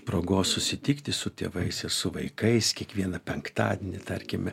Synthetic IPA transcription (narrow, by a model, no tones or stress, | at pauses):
pɾoːɡoːssʊsʲɪt̪ʲɪkt̪ʲɪsʊt̪ʲḛːʋɐɪsɪɾsʊʋɐɪkɐɪskʲiɛkʋʲiɛnɐpʲɛŋkt̪ɑ̰ːd̪ʲenʲɪt̪ɐɾʲkʲɪmʲɛ